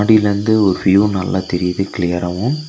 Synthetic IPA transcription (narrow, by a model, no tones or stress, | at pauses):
ɽiɪlɾɯnd̪ɯɔɾɯʋjuːnɐlːat̪ɛɾɪjɐðɯkɪlɪjɐɾɐʋɯ̃m